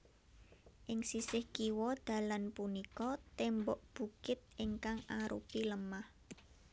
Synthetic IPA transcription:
ʔɪŋsisɪhkiwɔd̪̥a̤lanpunikɔt̪ɛmbɔʔb̥ṳkɪt̪̚ɪŋkaŋaɾṵpiləmah

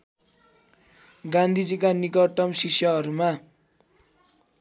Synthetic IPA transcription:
ɡand̪ʱid͡zikanikʌʈʌmsisjʌɦʌɾuma

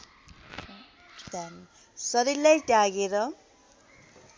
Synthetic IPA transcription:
d̪an | sʌɾilajʈjaɡeɾʌ

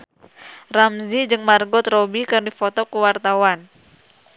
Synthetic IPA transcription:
ramzid͡ʒɨŋmarɡɔt̪robikɨrdifɔt̪ɔkəwart̪awan

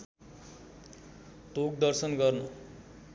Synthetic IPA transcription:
t̪ok̚d̪ʌrsʌnɡʌrnʌ

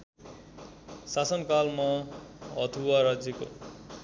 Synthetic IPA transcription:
sasʌnkalmʌ | ʌt̪ʰuwaɾad͡zeko̰

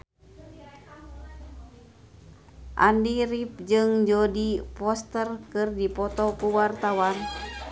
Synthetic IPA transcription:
ʔa̰ndiɾip̚d͡ʒɨŋd͡ʒodipɔst̪ərkɨrdipɔt̪ɔkuwart̪awan

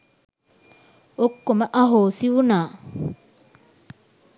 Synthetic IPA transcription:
okːomaʔaɦoːsiwunaː

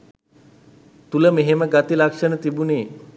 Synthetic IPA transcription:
t̪uləmeɦeməɡat̪ilakʂənət̪ibuneː

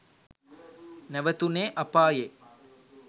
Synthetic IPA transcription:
nɛʋət̪uneːʔɐpaːje

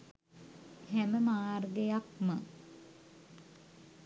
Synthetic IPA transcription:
hæməmaːrɡejak̚mə

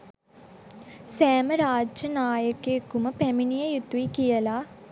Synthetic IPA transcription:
sæːməɾaːd͡ʒjənaːjəkekuməpæminijəjut̪uʋikijəla

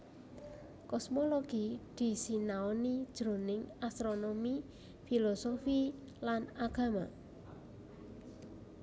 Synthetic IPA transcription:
kɔsmoloɡ̥id̪̥i̤sinaɔnid̥ʒ̥ɾo̤nɪŋast̪ɾonomi | filɔsofi | lanaɡ̥a̤ma

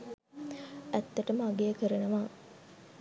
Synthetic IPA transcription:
æt̪ːəʈəməaɡejːkəɾənəʋaː

